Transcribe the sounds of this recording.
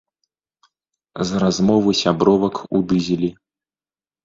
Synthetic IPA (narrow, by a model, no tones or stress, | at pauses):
zɾazmɔvɨsʲabɾɔvɐkud̪ɨzʲilʲi